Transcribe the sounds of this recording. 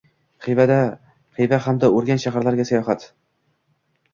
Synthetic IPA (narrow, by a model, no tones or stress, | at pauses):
qijvad̪a | qijvahamd̪aɵɾɡʲanʃaɦaɾlaɾɡʲasajɒɦat̪